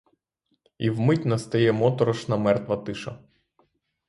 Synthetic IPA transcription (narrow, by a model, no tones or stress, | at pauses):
iwmɪtʲnɐst̪ɐjɛmɔt̪ɔɾɔʃnɐmɛrt̪ʋɐt̪ɪʃɐ